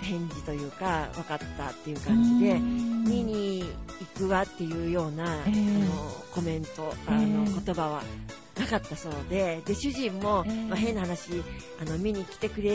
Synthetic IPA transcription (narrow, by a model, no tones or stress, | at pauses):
hẽ̞ɲ̟d͡ʑit̪o̞jɯ̟ːkaβakat̪ːa̰t̪ːe̞jɯ̟kãɲ̟d͡ʑid̪e̞mʲiɲ̟iːkɯ̟ɡat̪ːe̞jɯ̟ːjo̞ːnaanoko̞mẽ̞nt̪o̞no̞kot̪o̞baβa | nakat̪ːaso̞ːd̪e̞d̪e̞ɕɨʑĩmːo̞maɦẽ̞nːahanaɕi | ano̞mʲiɲ̟ikʲi̥t̪e̞kɯ̟ɾe̞